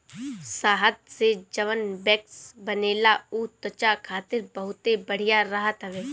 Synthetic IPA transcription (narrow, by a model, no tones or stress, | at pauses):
saːɦət̪sed͡ʒɐʋənbɛːksbɐneːlaut̪ət͡ʃakʰaːt̪ɪɾbəɦʊt̪ebəɽ̤ijaɾɐɦət̪ɦəʋeː